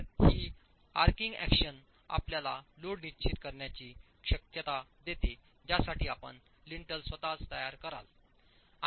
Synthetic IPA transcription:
hiː | a̰ɾkiŋɡæ̰kɕən | a̰pljala̰loɽnit͡ɕit̪kəɾɳjat͡ɕiː | ɕəkjət̪ad̪et̪e | d͡ʑasaʈʰiːapə̰ɳ | liɳʈəlsʋət̪at͡st̪əjaɾkəɾa̰l

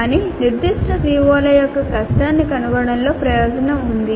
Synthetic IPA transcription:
aːniːniɾd̪iʂʈʰɐsiːʋoːlɐjɔkːɐkɐsʈaːnːikɐnuʋɐɽɐnlo̞ːpɾɐjoːd͡ʒɐnɐmund̪i

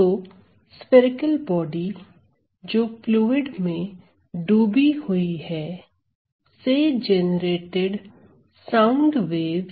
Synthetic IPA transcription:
oː | spɪɾɪkəlbɔːɖi | d͡ʒoːpluːɪɖmẽ | ɖuːbihʊihɛː | sed͡ʒɛnɾeːʈeɖ | sãːʊɳɖʋeːʋ

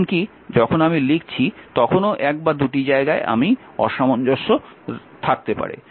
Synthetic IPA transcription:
nki | d͡ʑɔkʰonamilikt͡ɕʰit̪ɔkʰonoʔɛk̚bad̪uʈid͡ʑaeɡaeʔa̰mi | ɔ̰ʃamond͡ʑɔʃːo | t̪ʰak̚t̪epa̰ɾḛ

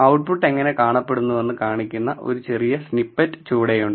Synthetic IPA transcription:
ɐwʈ̚puʈːe̞ŋːɐnekaːɳɐpːe̞ɽunːuʋɐnːɨkaːɳikʲːunːɐʔo̞̰ɾut͡ɕe̞rijɐsnipːɐtːɨ̥t͡ɕuːɽejuɳɖɨ

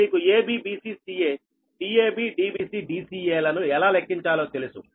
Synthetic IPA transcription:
iːkueːbiːbiːsiːsiːeː | ɖiːeːbiːɖiːbiːsiːɖiːsiːeːlɐnuɛlaːlekʰːiɲt͡ʃaːloːt̪e̞lusu

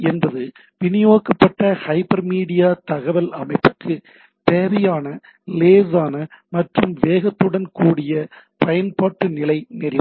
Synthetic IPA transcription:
ɛnbɐðɯ | ʋɪnɪjoːkɐpːɐʈːɐhɐɪpːɐɾmiːɽɪjaːt̪ɐɣɐʋɐlɐmɐɪpːɯkʰːɯ | t̪eːʋɐjaːnɐ | leːsaːnɐmɐʈrɯmʋeːɣɐt̪ːɯɽɐnkuːɽɪjɐ | pɐjɐnpaːʈːɯnɪlɐɪnɛɾɪ

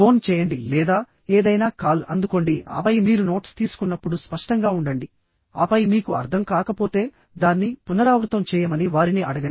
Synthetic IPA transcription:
o̞ːnt͡ʃɛːjɐɳɖilɛːd̪aː | eːd̪ɐjnaːkaːlɐ̰nd̪uko̞ɳɖiɐ̰pɐjmiːɾuno̞ːʈst̪iːsu̥kunːɐpːuɽuspɐʂʈɐŋɡaːuɳɖɐɳɖi | ɐ̰pɐjmiːkuɐ̰ɾd̪ʱɐmkaːkɐpo̞ːt̪e̞ː | d̪aːnːipunɐɾaːʋɾut̪ɐmt͡ʃɛːjɐmɐniʋaːɾiniɐɽɐɡɐɳi

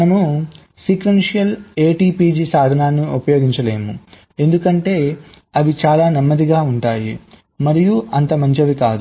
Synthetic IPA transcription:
ɐmu | siːkʋenʂijɐle̞ːʈiːpiːd͡ʒisaːd̪ʱɐnaːnːiupɐjo̞ːɡiɲt͡ʃɐle̞ːmu | e̞nd̪ukɐɳʈe̞ː | ɐʋit͡ʃaːlaːnɐmːɐd̪iɡaːuɳʈaːji | mɐɾijuɐnt̪ɐmɐɲt͡ʃɐʋikaːd̪u

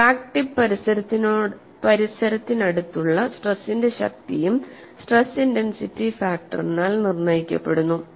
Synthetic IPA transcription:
paːkʈipɐɾisɐɾɐt̪ːino | pɐɾisɐɾɐt̪ːinɐɽut̪ːuɭːɐsʈresːinde̞ɕɐ̰k̚t̪ijum | sʈresːindensitːifaːk̚ʈɐ̰rinaːlnirnɐjikʲːɐ̰pːe̞ɽunːu

